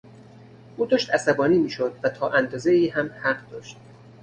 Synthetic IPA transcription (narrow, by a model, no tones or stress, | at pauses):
ʔuːd̪ɒːʃt̪æsæbɒːniːmiːʃod̪væt̪ʰɒːʔænd̪ɒːzeiːɦæmhæɢd̪ɒːʃt̪̚